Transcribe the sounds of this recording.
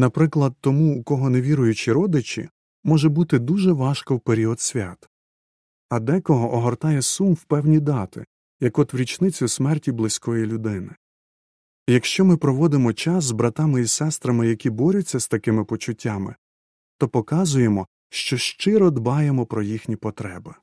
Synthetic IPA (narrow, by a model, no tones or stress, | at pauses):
nɐpɾɪklˠɐd̪̚t̪ɔmuːkɔɦɔneʋʲiɾʊjʊt͡ʃiɾɔd̪ɪt͡ʃʲḭ | mɔʒɛbut̪ɪd̪uʒɛʋɑʃkɔwpeɾʲiɔd̪sʲʋʲat̪ | ɐd̪ɛkɔɦɔʔɔɦɔrt̪ɑjɛsumwpɛwnʲid̪ɑt̪ɪ̰ | jɐkɔt̪ʋɾʲit͡ʃnɪt͡sʲʊsmɛrtʲiblˠɪsʲkɔjilʲʊd̪ɪnɪ | jɐkʃt͡ʃɔmɪpɾɔʋɔd̪ɪmɔt͡ʃɑszbɾɐt̪ɑmɪisɛst̪ɾɐmɪjɐkʲibɔɾʲʊt͡sʲːɐst̪ɐkɪmɪpɔt͡ʃʊtʲːɑmɪ̰ | t̪ɔpɔkɑzʊjemɔ | ʃt͡ʃɔʃt͡ʃɪɾɔd̪bɑjemɔpɾɔjixnʲipɔt̪ɾɛbɪ